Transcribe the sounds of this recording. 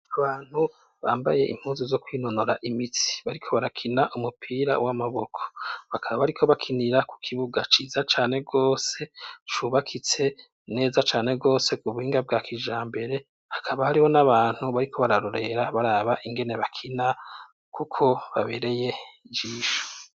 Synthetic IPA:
aβaːn̥hu | βaːmba̰je̞ʔḭm̥huːzuzo̞kwiːno̞noɾa̰ʔimitʰi̥βaɾikʰo̞βaɾakʰinaʔumupʰiːɾa̰wamaβokʰo̥βakʰaβaβaɾikʰo̞βakʰiniɾaku̥kʰiβuɡat͡ʃiːzat͡ʃaːne̞ɡo̞ːse̞t͡ʃuβakʰit͡se̞ | ne̞ːzat͡ʃaːne̞bɡo̞ːse̞ɡuβuhiːŋɡab̚ɡakʰiʒaːmbe̞ɾe̞ | hakʰaβahaɾiho̞naβaːn̥huβaɾikʰo̞βaɾaɾo̞ɾe̞ɾaβaɾaːβaʔiŋɡe̞ne̞βakʰina | kʰukʰo̞βa̰βe̞ɾe̞je̞id͡ʒiːʃo̥

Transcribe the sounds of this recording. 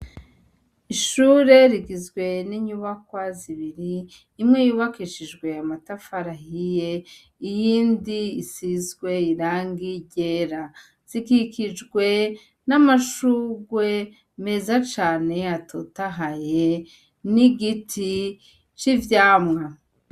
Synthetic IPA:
iʃuɾe̞ɾiɡizɡwe̞niɲuβakwaziβiɾiː | mŋe̞juβakiʃiʒɡwe̞amatafaɾahije̞ | ijiːndiisizɡwe̞iɾaːŋɡiɟeɾa | z̥ikikiʒɡwe̞ | namaʃuːɡwe̞ | me̞zat͡ʃaːne̞jatʰotaɦaje | niɡitʰi | t͡ʃivjaːmŋa

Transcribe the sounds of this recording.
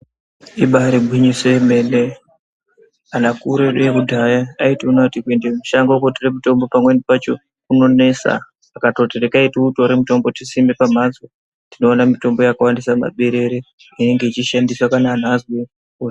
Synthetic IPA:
iɓaɾiɡʱwiɲiseme̞ne | anakuɾeɗuekudʱajaaitonakutikue̞ndemuʃaŋɡakotiremito̞mbo̞pamwe̞nipat͡ʃo̞ | kuno̞ne̞sa̰ː | kato̞terekaitiuto̞ɾemito̞mbo̞tisimbepam̤ad͡zo | tino̞ːnamito̞mbo̞jakawandisama̰ɓe̞ɾe̞ɾe | ine̞ŋɡeit͡ʃiʃandiswakanaːn̤azwe | o

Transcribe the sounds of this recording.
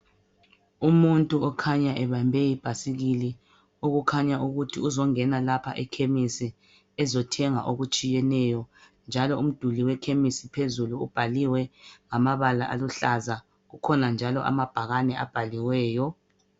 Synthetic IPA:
umuntʼuɔkʰaɲaʔɛβambʱɛjib̥ʱasiɣili | uɣukʰaɲaʔuɣutʰiuzɔŋɛnalapʰa̰ʔɛkʰemisi | ɛzɔtʰɛŋa̰ʔoɣut͡ʃʼijɛnɛjɔ | nd͡ʒʱalɔum̩d̥ʱuliwɛkʰemisipʰezuluːb̥ʱaliwɛŋamaβala̰ʔaluɬaza | ɣukʰɔnand͡ʒʱalɔ̰ʔa̰mab̥ʱaɣanɛʔa̰b̥ʱaliwɛːjɔ

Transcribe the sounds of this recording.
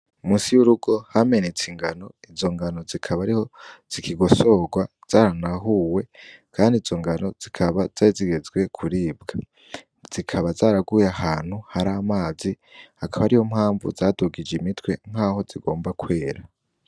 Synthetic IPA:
umuːsijuɾuɡo̞hame̞net͡siŋɡano̞izo̞ŋɡano̞zikʰaβaɾiho̞z̥ikiɡo̞so̞ɡwa | z̥aːɾanaɦuːwe̞kʰaːndizo̞ŋɡano̞z̥ikʰaβaz̥aːiziɡezɡwe̞kʰuɾiːb̚ɡa | z̥ikʰaβazaːɾaɡuːjahaːn̥huhaɾamaːzi | akʰaβaɾiho̞mhaːɱvṵzaːduɡid͡ʒimitwe̞ŋ̥haːho̞ziɡo̞ːmbakwe̞ːɾa

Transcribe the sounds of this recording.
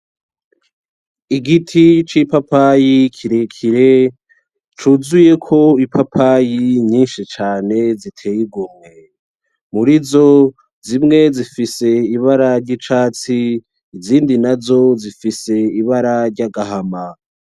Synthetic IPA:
iɡitʰit͡ʃipapajikʰiɾekʰiɾe | t͡ʃuzuje̞kʰo̞ipʰapʰajiɲiːnʃit͡ʃaːne̞zitʰe̞ːjiɡumŋe̞ | muɾizo̞ | zimŋe̞zifise̞iβaɾaɾɟit͡ʃaːt͡siː | ziːndinazo̞zifise̞iβaɾaɾɟaɡaɦama

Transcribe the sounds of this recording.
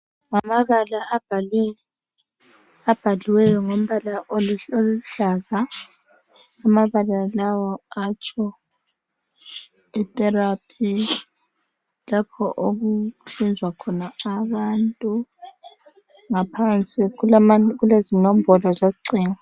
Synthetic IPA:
ŋamaβalaʔbʱaɛ | b̥ʱaliwɛjɔŋom̩βalaʔololuuɬaːza | maβalalawɔat͡ʃʰʼɔ | itʼɛɾapʰi | lapʰɔʔoɣuɬind͡zʱwakʰɔnaaβantʼu | ŋapʰant͡sʼiɣuaɣulezinɔm̩bɔlɔzaǀiːŋa

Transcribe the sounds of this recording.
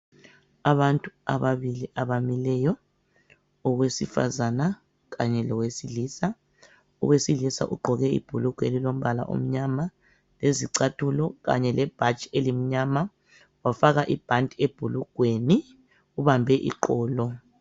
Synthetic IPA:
aβantʼua̰βaβiliaβamilɛjɔ | ɔɣwesifa̰zana | ɣaɲɛlɔwesilisa | ɔ̰wesilisa̰ʔṵɡ͡ǃʱɔɣɛḭb̥ʱuluɡ̥ʱwḛnilom̩βala̰ʔo̰m̩ɲama | leziǀatʰulɔɣa̰ɲɛlɛb̥ʱat͡ʃʼielim̩ɲama | wafaɣaʔib̥ʱandʱʼieb̥ʱuluɡ̥ʱweni | uβambʱɛʔḭǃɔːlɔ

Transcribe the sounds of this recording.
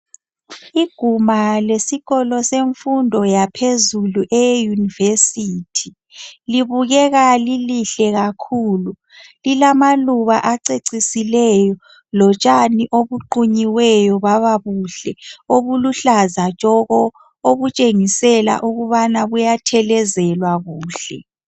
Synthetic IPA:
iɡ̥ʱumalesiɣɔlɔseɱfundʱɔjapʰezuluʔɛjejunivesiːtʰi | liβuɣɛɣaliliɬɛɣakʰuːlu | lilamaluβa̰ʔaǀeǀisilɛjɔ | lɔt͡ʃʼaniʔoβuǃuɲiwɛjɔβaβaβuɬɛoβuluɬazat͡ʃʼɔɣɔ | oɣut͡ʃʼeŋisɛla̰ʔuɣuβanaβujatʰɛlɛzɛlwaɣuːɬɛ̰

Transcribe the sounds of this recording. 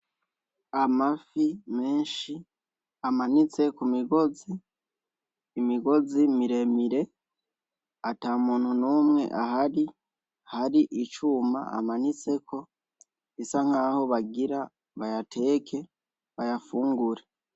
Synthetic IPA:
amafime̞ːnʃi | amanit͡se̞kumiɡo̞zi | miɡo̞zimiɾe̞miɾe̞ | atamuːnhunuːmŋe̞̰ʔaɦaɾi | haɾiʔit͡ʃuːma̰a̰manit͡se̞kʰo̞ | isaŋ̥haːho̞βaɡiɾa | βajatʰe̞ːkʰe̞ | βajafuːŋɡuɾe̞

